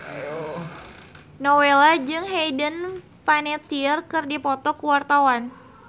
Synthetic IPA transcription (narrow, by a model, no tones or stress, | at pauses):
nowelad͡ʒɨŋɦedən | panet̪iərkɨrdipɔt̪ɔkuwart̪awan